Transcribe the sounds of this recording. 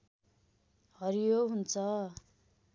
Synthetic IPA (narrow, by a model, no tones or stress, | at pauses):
hʌɾijoɦunt͡sʰʌ